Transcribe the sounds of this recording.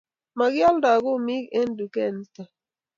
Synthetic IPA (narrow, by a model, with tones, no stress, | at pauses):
ma˨ɡja˦lda˨ɡʊ˦mi˦ke˦ndu˨ke˦˨n˦ta˨